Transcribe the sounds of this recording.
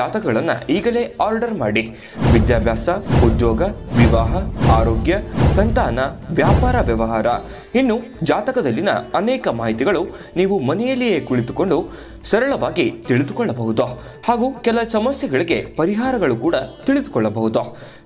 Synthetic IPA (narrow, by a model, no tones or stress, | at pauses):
aːt̪ɐkɐɡɐɭɐnːɐ̰iːɡɐle̞ːaːɾɖɐɾmaːɽi | ʋid̪jaːbʱjaːsɐud̪jɔːɡɐʋiʋaːɦɐaːɾoːɡjɐsɐnt̪aːnɐʋjaːpaːɾɐʋjɐʋɐɦaːɾɐ | inːu | d͡ʒaːt̪ɐkɐd̪ɐlːinɐ̰ɐnɛːkɐmaːɦit̪iɡɐɭu | niːʋumɐnɛjɐlːije̞ːkuɭit̪u̥ko̞ɳɖu | sɐɾɐɭɐʋaːɡit̪iɭid̪ukɔɭːɐbɐɦud̪o | haːɡukɛlɐsɐmɐsjɛɡɐɭiɡe̞pɐɾiɦaːɾɐɡɐɭukuːɽɐt̪iɭid̪u̥kɔɭːɐbɐɦud̪o